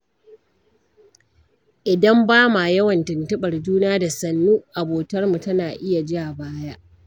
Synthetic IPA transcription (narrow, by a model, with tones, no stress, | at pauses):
ʔɪ˨dɐ˦mbaː˦ma˨jɐ˦wɐ˨ntɪ˨ntɪ˦ɓɐ˨rd͡ʒuː˦naː˦da˨sɐ˨nːuː˦ʔa˨boː˨tɐ˦rmu˨tɐ˦naː˨ʔɪ˦ja˨d͡ʒɪ˦ʔa˨baː˦ja˦ʔ